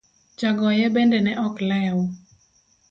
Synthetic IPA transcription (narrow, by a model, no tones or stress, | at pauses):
t͡ʃaɡɔjɛbɛndɛnɛʔɔklɛawu